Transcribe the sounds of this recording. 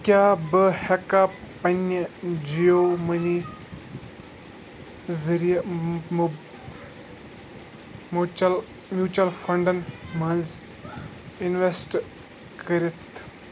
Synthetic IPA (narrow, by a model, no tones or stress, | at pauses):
kʲjaːbɨhekapɐnɐd͡ʒijoːmɐni | zɐɾij | ml | mjuːt͡ʃɐlfɐɳɖɐnmɐnz | ɪnʋesʈ | kəɾet̪ʰ